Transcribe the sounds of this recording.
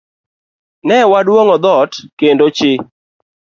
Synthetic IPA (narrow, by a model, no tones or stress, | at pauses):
nɛwadwoŋɔd̪ɔtkendot͡ʃɪ